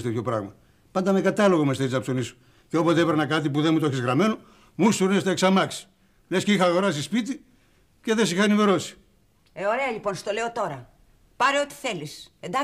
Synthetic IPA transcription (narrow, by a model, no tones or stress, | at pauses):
t̪et̪ço̞pɾɐ̰ɣmɐ | pɐnd̪ɐme̞kɐt̪ɐlo̞ɣomeseizɐpso̞nisu̥ | ceo̞pozt̪epeɾnɐkɐt̪̬ipuðe̞mut̪oçizɣɾɐme̞no | must̪uɾnest̪eːksɐmɐksi̥ | lesceixɐːɣo̞ɾɐsispit̪i | ce̞ðe̞sixɐniveɾo̞si̥ | eoɾe̞ɐʎipo̞nst̪o̞le̞ot̪o̞ɾɐ | pɐɾeot̪i̥θe̞lisend̪ɐ